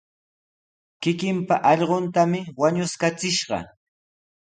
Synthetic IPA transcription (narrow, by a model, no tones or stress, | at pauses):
kɪkɪmpaʔɑʎɢont̪amɪwaɲʊskat͡sɪʃɢɑ̰